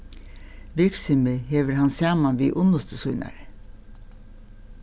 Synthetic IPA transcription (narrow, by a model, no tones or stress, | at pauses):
ʋɪksʏməheːʋəɾhɑnsjɑːmɑnʋiːʔʊnɔst̪əsʊʏnɑ̰ɾ